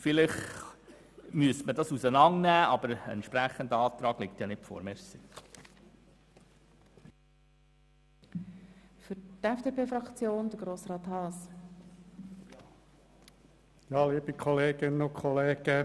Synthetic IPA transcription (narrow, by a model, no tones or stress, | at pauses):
fɪlɪχ | myəstmədɑsusənɑŋnæːʔɑbəɾəɛ̰ntʃpɾæχənd̪əɑːt̪ɾɑːɡ̥lɪk̚tjɑnɪtfɔ̰ːɾmeːɾsi | fʏɾtɛfd̥eːpʰeːfɾɑkt͡sjoːnd̪əɡ̥ɾoːsrɑːt̪hɑːs | jɑːliːb̥ikʰɔleːɡɪnnʊkʰχɔleːɡ̥ə